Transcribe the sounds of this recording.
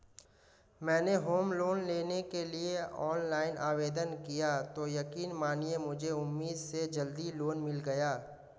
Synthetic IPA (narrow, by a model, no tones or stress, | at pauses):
mɛ̃ːneɦoːmloːnleːnekelieɔːnlaːɪnʔaːʋeːd̪ənkijat̪ojɐkiːnmaːniemʊd͡ʒʱeʊmːiːd̪sed͡ʒɐld̪iloːnmɪlɡɐjaː